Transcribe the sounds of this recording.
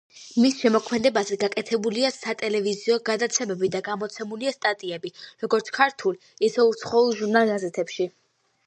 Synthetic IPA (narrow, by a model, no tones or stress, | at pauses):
misʃɛmɔkʰmɛd̪ɛbazɛɡakʼɛt̪ʰɛbuliasat̪ʼɛlɛviziɔɡad̪at̪sʰɛmɛbid̪aɡamɔt̪sʰɛmuliast̪ʼat̪ʼiɛbiɾɔɡɔɾt̪sʰkʰaɾt̪ʰuliisɛut̪sʰχɔulˠʒuɾnalˠɡazɛt̪ʰɛpʃi